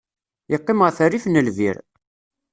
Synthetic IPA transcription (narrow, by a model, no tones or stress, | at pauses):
jəqːɪməʁθærːifnəlvḭɾ